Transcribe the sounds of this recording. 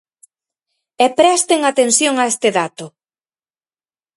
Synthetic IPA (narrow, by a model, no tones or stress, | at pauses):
ɛpɾɛst̪eŋat̪ensjoŋaest̪ɪðat̪ʊ